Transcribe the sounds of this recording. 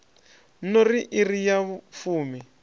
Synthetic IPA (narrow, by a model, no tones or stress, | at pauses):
noriʔirijafuːmi